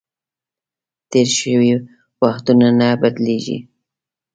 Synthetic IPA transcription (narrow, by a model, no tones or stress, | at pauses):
t̪eɾʃəwi | waxt̪unanabad̪leʒḭ